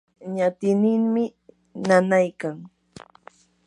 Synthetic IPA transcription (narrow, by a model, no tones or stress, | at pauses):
ɲat̪ɪnɪŋmɪ | nanajkaŋ